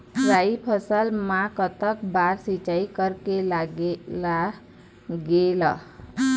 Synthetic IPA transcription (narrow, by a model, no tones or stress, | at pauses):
ɾaipʰəsəlmãkət̪əkbaɾsit͡ʃaikəɾkelɡla | ɡelə̰